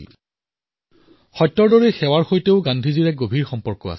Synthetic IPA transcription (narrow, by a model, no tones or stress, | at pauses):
xɔjtːɔɹdɔɹexɛwaɹxojteʊɡandʱiziɹɛɡobʱiɹxɔmpɔɹkɔa̰s